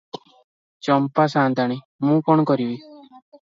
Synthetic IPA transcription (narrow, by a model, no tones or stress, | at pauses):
t͡ʃɔmpasãːnd̪ʱaɽ̃i | mũːkɔɳ̃ɔkɔɾibi